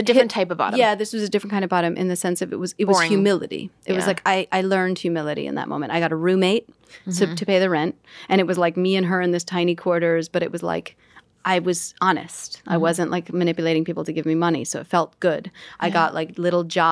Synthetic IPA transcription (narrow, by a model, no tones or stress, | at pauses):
ɨdɪɹ̃ntʰaɪpʌvbɑ̰ɾjæðɪswʌzɨdɪfɹ̃nkʰɪ̃ndʌvbɑɾɨ̃mʔɨ̰̃nðɨsɛ̃nsʌvɨ̰t̚wʌzɨt̚wʌz̥jʉmɪlˠɨɾḭʔɨt̚wʌzlaɪkʰaɪʔaɪlɜ̃˞nd̥̚hjʉmɪlˠɨɾḭɨ̰̃nðə̰t̚mõ̰ʊ̃mɨ̃ntaɪɡɑɾəɹʉ̃meɪt̚ʰː | ɨtʰɨpʰeɪðɨɹɛ̃nt̚ʔɨ̃ɾ̃ɨt̚wʌzlaɪk̚miɨ̃nə˞ɨ̃nðoz̥tʰãɪ̃ñikʰw̥ɔɹɾə˞zb̥ʌɾɨʔ̚wʌzla̰ɪk | ʔaɪwʌzɑnɨ̰stʔaɪwʌzɨ̃nʔlʔaɪkmɨnɪpjɨleɪɾɪ̃ŋpipl̩ˠtʰɨɡɪvmimʌnḭsoʊɨtfɛlˠt̚ɡ̥ʊdʔaɪɡɑʔlʔaɪk̚lɪɾl̩ˠd͡ʒɑ